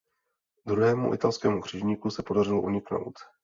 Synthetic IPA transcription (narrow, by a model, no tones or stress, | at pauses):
d̪ɾuɦɛːmṵʔɪ̰t̪alskɛːmukr̝̥ɪʒɲiːkusɛpo̞darɪloʔuɲɪkno̰wt̪